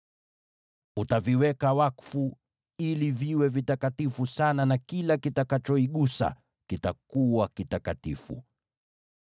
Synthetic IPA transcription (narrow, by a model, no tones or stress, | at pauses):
utaviwɛkawakfu | iliviwɛvitakatifusananakilakitakat͡ʃɔiɠusa̰ | kitakuwakitakatḭfṵ